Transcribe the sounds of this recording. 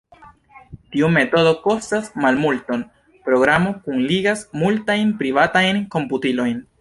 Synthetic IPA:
tiume̞to̞do̞ko̞stasmalmulto̞n | pɾo̞ɡɾamo̞kunliɡasmultajnpɾivatajnko̞mputilo̞jn

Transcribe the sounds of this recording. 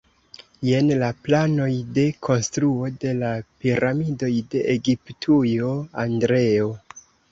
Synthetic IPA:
je̞nlaplano̞jde̞kʰo̞nstɾuo̞de̞lapiɾamido̞jde̞ʔeɡiptʰujo̞andɾe̞o̞

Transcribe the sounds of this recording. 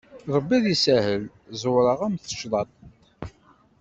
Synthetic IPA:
ɾˤəbːiðisæhəl | zʊɾˤəʁæmθə̥ʃðˤɑt̪̚ˤ

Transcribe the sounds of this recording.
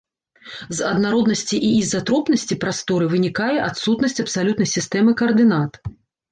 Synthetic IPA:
zɐd̪naɾɔd̪nɐsʲt͡sʲiʔiizːat̪ɾɔpnɐsʲt͡sʲipɾast̪ɔɾɨvɨnʲikajɛʔat̪sut̪nɐsʲt͡sʲɐpsalʲut̪nɐjsʲist̪ɛmɨkɐɐrd̪ɨnat̪

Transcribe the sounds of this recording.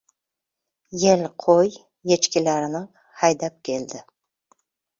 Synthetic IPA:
jelqʰoj | jet͡ʃkʲɪlæɾɪnɪ | hɑjd̪ap̚kʲʰe̞ld̪ɪ

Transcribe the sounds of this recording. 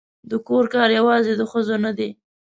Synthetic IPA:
d̪əkoɾkɑɾjawɑzed̪əxəzonad̪e

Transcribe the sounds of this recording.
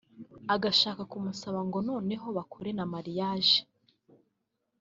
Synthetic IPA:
aɡaʃaːkakumusaβaŋɡo̞noːne̞ɦo̞βakʰoɾe̞namaɾijaːʒe̥

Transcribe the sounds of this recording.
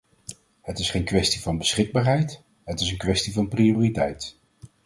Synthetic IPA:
hətɪsχejnkʋɛstivɑnbəsχɪɡ̚baːɹɦɛjt | ɦətɪsənkʋɛstivɑnprioːritɛ̰jt

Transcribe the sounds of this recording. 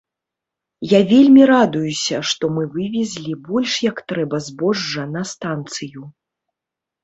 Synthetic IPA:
javʲelʲmʲiɾad̪ujusʲɐʂt̪ɔmɨvɨvʲɛzʲlʲibɔlʲʂjɐkt̪ɾɛbɐzbɔʐːɐnɐst̪ant̪sɨju

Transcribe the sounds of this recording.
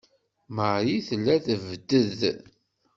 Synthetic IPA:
məʕiθlːæθəvd̪əð

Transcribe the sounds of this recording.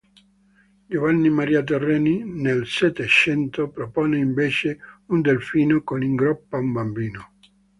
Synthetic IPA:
d͡ʒovanːimaɾiːat̪̬erːɛːninelset̪et͡ʃɛnt̪opɾopoːneiɱveːt͡ʃeund̪elfiːnokoniŋɡɾɔpːaumbambiːno

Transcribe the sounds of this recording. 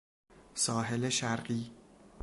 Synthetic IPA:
sɒːɦeleʃæɾɢiː

